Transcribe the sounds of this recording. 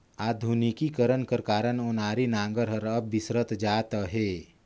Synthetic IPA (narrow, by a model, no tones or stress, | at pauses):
aːd̪ʱunikikəɾənkəɾkaːɾənonaːɾinãːŋɡəɾɦəɾəbʋisɾət̪d͡ʒaːt̪əɦe